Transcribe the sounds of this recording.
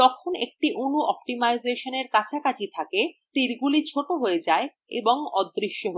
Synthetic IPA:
t̪ɔkʰonḛk̚ʈiʔunuʔɔp̚ʈimajzeʃoneɾkat͡ɕʰakat͡ɕʰit̪ʰaket̪iɾɡulit͡ɕʰoʈoɦoed͡ʑae | ḛboŋɔd̪ɾiʃːoɦo

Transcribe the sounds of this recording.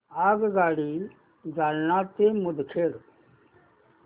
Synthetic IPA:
aːɡɡaːɽiː | d͡zaːlnãːt̪eːmʊd̪ʱkʰeːɾ

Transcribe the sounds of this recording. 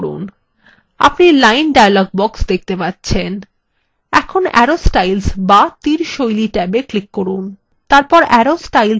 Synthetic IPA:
ɾṵn | a̰pnilajnɖajalɔɡ̚bɔksd̪ek̚ʰt̪epat̪ːɕʰen | ɛkʰonɛ̰ɾosʈajlsbat̪iɾʃojliʈɛbeklikːoɾun | t̪aɾpɔɾɛɾosʈajl

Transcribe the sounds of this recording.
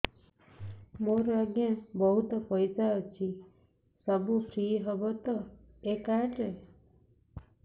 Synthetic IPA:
moɾaɡjãbəɦut̪ɔpəjsat͡ʃʰi | səbupʰɾiɦəbət̪ɔ | ekaʈe

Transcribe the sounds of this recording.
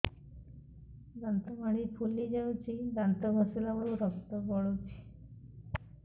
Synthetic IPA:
d̪ant̪əmaɽipʰulːid͡ʑawũt͡ɕid̪ant̪əbʱəselaʋəɽũɾəkt̪əbɔɭot͡ɕi̥

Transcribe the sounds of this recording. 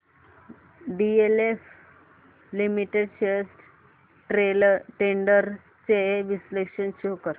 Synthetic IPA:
ɖielef | limiʈeɖɕesʈ | ʈeʈeɳɖəɾ | t͡seʋislekʂənɕukəɾ

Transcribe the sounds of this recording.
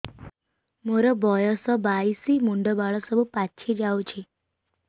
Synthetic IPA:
məɾəbɔjəsɔbaisimuɳɖəbaɭəsəbupatːt͡ɕʰed͡ʑawt͡ɕʰe

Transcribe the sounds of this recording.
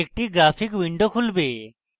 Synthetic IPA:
ek̚ʈiɡɾaːpʰikwiɳɖokʰulbe

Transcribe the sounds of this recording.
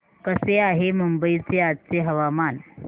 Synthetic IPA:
kəseaɦemumbəit͡seat̪̚t͡seɦəʋaman

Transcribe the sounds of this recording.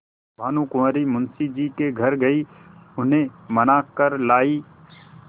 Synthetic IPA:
bʱaːnũkʊməːɾimʊnsid͡ʒiːkeɡʱɐɾɡɐiʊnẽmənaːkəɾlaːi

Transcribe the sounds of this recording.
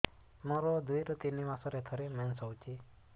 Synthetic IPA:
mɔɾɔd̪ujɾɔt̪inimasɔɾet̪ʰɔɾemɛnsɔwt͡ʃi

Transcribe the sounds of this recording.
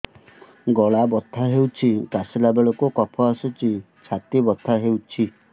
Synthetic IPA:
ɡɔɭabɔt̪ʰːaɦewt͡ʃʰikasilabeɭɔkukɔpʰɔasut͡ʃi | t͡ʃʰat̪ibɔt̪ʰːaɦewt͡ʃʰi

